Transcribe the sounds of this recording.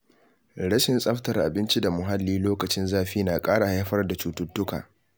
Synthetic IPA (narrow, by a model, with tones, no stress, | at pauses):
ɽɐ˦ʃɪ˨nsʼɐ˦ɸtɐ˨rʔa̰˨bɪ˦nt͡ʃi˦da˨mʊ˨ɦa˦lːiː˦loː˦kɐ˨t͡ʃɪ˦nzaː˦ɸiː˦naː˨kʼaː˦ɽa˨ha˦ɸɐ˦rda˨t͡ʃuː˨tʊ˦tːʊ˦ka̰ː˨